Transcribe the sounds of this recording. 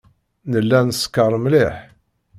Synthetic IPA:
nəlːænskəɾˤmlɪħ

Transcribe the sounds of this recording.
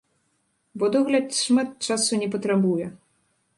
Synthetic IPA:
bɔd̪ɔɣlʲɐt̪ʂmat̪̚t͡ʂasunʲɛpɐt̪ɾabujɛ

